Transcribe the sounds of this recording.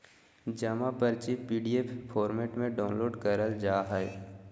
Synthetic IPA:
d͡ʒəmapəɾt͡ʃipiːɖieːpʰpʰɔːɾmeːʈmẽɖaːʊ̃nloːɖkəɾəld͡ʒaːɦɛj

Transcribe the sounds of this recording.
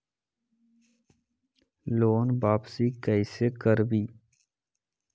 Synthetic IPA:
loːnbaːpsikəɪsekəɾbiː

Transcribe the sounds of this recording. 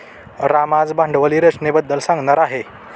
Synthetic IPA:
ɾamad͡zbãɳɖʋəliɾəsnebəd̪ːəlsãŋɡnəɾaɦe

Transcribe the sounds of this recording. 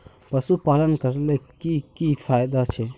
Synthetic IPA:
pəsupaːlənkəɾlekikifʰaːjd̪at͡ʃʰe

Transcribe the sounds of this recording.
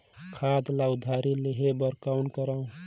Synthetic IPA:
kʰad̪lawd̪ʱaɾileɦebəɾkaʊnkəɾaũ

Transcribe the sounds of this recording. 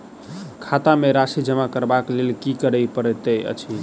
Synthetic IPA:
kʰat̪ameɾasid͡ʒəmakəɾbaklelkikəɾəjpəɾɛt̪əjʔə̰t͡ʃʰi

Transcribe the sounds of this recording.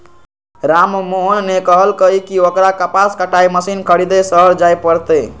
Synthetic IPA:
ɾammoɦnːekəɦəlkəikiokɾakəpaskəʈaiməsinkʰəɽid̪esəɦəɾd͡ʒajpəɾt̪e

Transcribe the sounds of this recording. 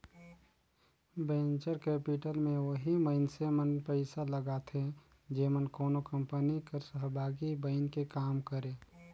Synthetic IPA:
bẽːnt͡ʃəɾkeːpiʈəlmẽʋəɦiməɪnsemənpəɪsaləɡaːt̪ʰe | d͡ʒeːmənkoːnokə̃mpənikəɾsəɦbʱaːɡibəɪnkekaːmkəɾẽː

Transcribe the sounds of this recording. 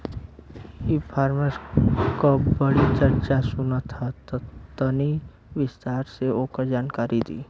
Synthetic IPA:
jipʰaːɾməskobəɽit͡ʃəɾt͡ʃasʊnat̪ʰat̪ot̪əni | ʋɪst̪aːɾseoːkəɾd͡ʒaːnkaːɾid̪ḭː

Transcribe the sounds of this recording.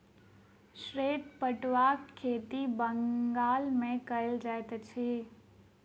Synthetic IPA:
ʃɾeːʈpəʈʋaːkʰːeːt̪ibəŋɡaːlmẽkɐɪld͡ʒaet̪t͡ʃʰi

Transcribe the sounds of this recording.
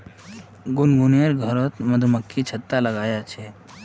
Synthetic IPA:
ɡunɡuneɾɡʱəɾət̪məd̪ʱuməkʰːit͡ʃʰət̪ːaləɡajat͡ʃʰe

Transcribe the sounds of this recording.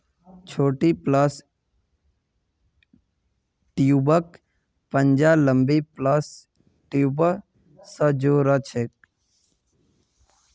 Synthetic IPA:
t͡ʃʰoːʈipləs | ʈjubək | pənd͡ʒaləmbipləs | ʈjubəː | əd͡ʒoːɾət͡ʃʰek̚

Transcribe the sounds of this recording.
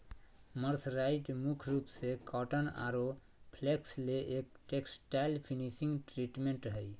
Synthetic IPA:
məɾsɾaiʈmukʰɾupsekɔʈəna̰ɾo | pʰleksleʔekʈeksʈajlpʰinisĩŋɡʈɾiʈmeɳʈɦəj

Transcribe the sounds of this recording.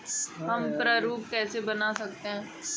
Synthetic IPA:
ɦɐmpɾəɾuːp̚kɛːsebɐnasɐk̚t̪eɦɛ̃ː

